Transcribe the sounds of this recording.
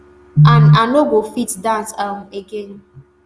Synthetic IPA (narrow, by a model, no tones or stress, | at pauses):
ananoɡʷofitdãnsam̩eɡen